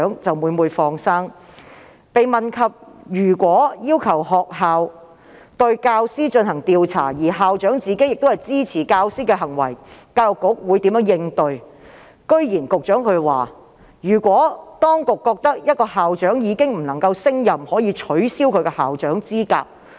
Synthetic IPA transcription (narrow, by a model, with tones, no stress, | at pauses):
ŋt͡sɐ˨wmuː˨˧muː˨˧jfɔː˧ŋsaː˥ŋ | pe˨˧jmɐ˨nkʰɐ˨p̚jyː˨˩kʷɔː˨˥jiː˥wkʰɐ˨˩wɦɔː˨k̚ɦaː˨w | t̪ɵ˧ɥkaː˧wsiː˥t͡ʃɵ˧nhɐ˨˩ŋt̪iː˧wt͡sʰa̰ː˨˩jiː˨˩ɦaː˨wt͡ʃœː˨˥ŋt͡siː˨˧ke˥jɪ˨k̚t̪o˥whɐ˨jt͡siː˥t͡sʰiː˨˩kaː˧wsiː˥kɛː˧ɦɐ˨˩ŋwɐ̰˨˩jkaː˧wjʊ˨kːʊ˨˥k̚wuː˨˧jt̪iː˨˥mjœː˨˥ŋjɪ˧ŋt̪ɵ˨˧ɥ | kɵ˥ɥjiː˨˩nkʊ˨k̚t͡ʃœː˨˥ŋkʰɵ˨˧ɥwa̰ː˨ | jyː˨˩kʷwɔː˨˥t̪ɔː˥ŋkʊ˨kːɔː˧k̚t̪ɐ˥k̚jɐ˥t̚kɔː˧haː˨wt͡ʃœː˨˥ŋjiː˨˧kɪ˥ŋm̩˨˩nɐ˨˩ŋkɐ˧wsɪ˥ŋjɐ˨mhɔː˨˥jiː˧t͡ʃʰɵ˨˥ɥsiː˥wkʰɵ˨˧ɥkɛ˧haː˨wt͡ʃœː˨˥ŋt͡siː˥ka̰ː˧p̚